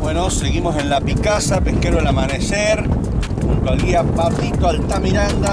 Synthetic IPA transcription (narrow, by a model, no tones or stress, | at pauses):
bwenoseɣimose̞nlapikasapehkeɾoelamaneseɾ | uŋt̪oalɣiapapit̪oalt̪amiɾand̪a